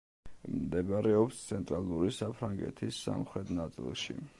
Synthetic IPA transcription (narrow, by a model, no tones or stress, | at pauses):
md̪ɛbaɾɛɔpst̪sʰɛnt̪ʼɾalˠuɾisapʰɾaŋɡɛ̰t̪ʰisːa̰mχɾɛt̪nat̪sʼḭlˠʃḭ